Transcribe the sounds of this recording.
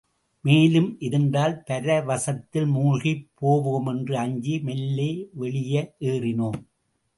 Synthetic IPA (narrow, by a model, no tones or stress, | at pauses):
meːlɯmʔɪðɯnɖaːlpɐɾɐʋɐsɐt̪ːɪlmuːɻɣipʰːoːʋoːmɛndrɯɐɲd͡ʒimɛlːeːʋɛɭɪjɐʔeːrɪnoːm